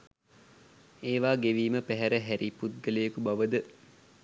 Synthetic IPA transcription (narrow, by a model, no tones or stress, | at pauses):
eːʋaːɡeʋiːməpæɦæɾəɦæɾʔiput̪̚ɡəlejəkubaʋəd̪ə